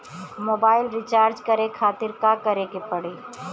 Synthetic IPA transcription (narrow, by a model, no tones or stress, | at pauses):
moːbaːɪlɾɪt͡ʃaːɾd͡ʒkɐɾekʰaːt̪ɪɾkakɐɾekepɐɽeː